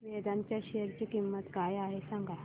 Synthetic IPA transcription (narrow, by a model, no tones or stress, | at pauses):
ʋed̪aɲt͡ɕjaɕejəɾt͡ɕiːkimːət̪kajaɦesãŋɡʱa